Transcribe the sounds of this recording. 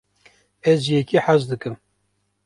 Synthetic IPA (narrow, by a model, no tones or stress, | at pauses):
ɛzjɛkiħazd̪ɨkɨm